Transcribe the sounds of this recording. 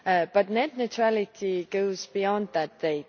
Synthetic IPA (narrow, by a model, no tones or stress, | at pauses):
b̥ʌtⁿnɛdⁿnətʰɹ̥alɪtʰiɡoʊzbiɔ̃nðət̚d̥eɪ